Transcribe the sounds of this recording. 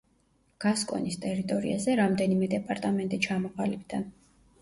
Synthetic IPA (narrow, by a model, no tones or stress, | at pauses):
ɡ̥askʼɔ̰nist̪ʼɛɾit̪ʼɔɾḭazɛɾamd̪ɛnimɛd̪ɛpʼaɾt̪ʼamɛnt̪ʼit͡ʃʰamɔqʼalibd̪an